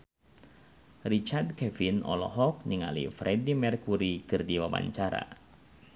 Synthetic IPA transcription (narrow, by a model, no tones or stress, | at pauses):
rit͡ʃard̚kɛvinɔ̰lɔ̰ɦɔk̚niŋa̰lḭfɾɛdimɛrkuɾikɨrdiwaba̰ɲt͡ʃaɾa̰